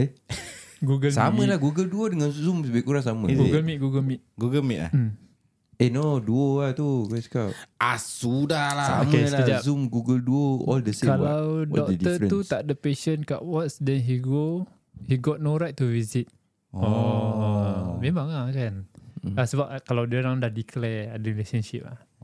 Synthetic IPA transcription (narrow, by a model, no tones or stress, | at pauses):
e | ɡuɡəlsa̰mə̃lahɡuɡəlduodəŋanzumsəbiʔkuɾaŋsamə̰̃ɡuɡəlmit̚ɡuɡəlmit̪̚ɡuɡəlmiʔ̚la̰hm | enoduoat̪ukɛskaʔasudalaaomkelaəd͡ʒazumɡuɡəlduoɔ̰ldəskalawdɔkd̪əut̪aʔ̚dəpeʃənka̰ʔwɔtsdɛnɦiɡo | hiɡɔt̪̚noɾajt̪̚tːuvizit̪̚ | ɔ | mẽmãŋakanasəbap̚kalawdiəɾaŋdahdiklɛadəɾilesənʃip̚la̰h